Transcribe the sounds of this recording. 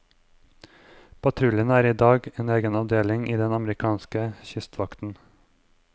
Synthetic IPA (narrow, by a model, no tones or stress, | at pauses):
pʰɑt̪ʰɾʉlənæːɾiːd̪ɑːɡeːneːɡənɑʋd̪eːlɪŋʔiːd̪ɛnɑmɾɪkʰɑːnskəçʏst̪ʰʋɑkt̪n̩